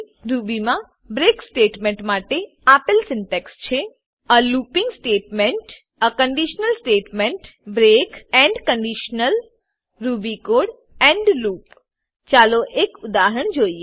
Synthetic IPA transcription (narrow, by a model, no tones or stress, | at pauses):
ɾubimã | bɾeksʈeʈmẽɳʈmaʈe | apəlsɪɳʈekst͡ʃʰe | alupĩŋɡsʈeʈmeɳʈ | əkəɳɖiʃnəlsʈeʈmeɳʈbɾekɛɳɖkəɳɖiʃnəl | ɾubikoɽ | ɛ̃ɳɖlup | t͡ʃaloʔekʊd̪aɦɾəɳ̃d͡ʒoie